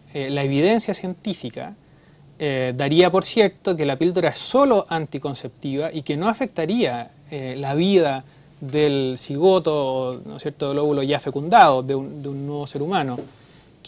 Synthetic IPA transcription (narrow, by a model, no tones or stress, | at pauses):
elaeβið̞e̞nsjasje̞nt̪ifika̰ | ed̪aɾiapo̞ɾsje̞ɾt̪ok̬elapild̪oɾaessolo̞ʔant̪iko̞nse̞p̚t̪iβaʔikenoafe̞k̚t̪aɾia | elaβiða | ðelsiɣot̪oːno̰sjeɾt̪oðeloɣuloʝafe̞kund̪að̞oðeund̪eunːweβoseɾumano | k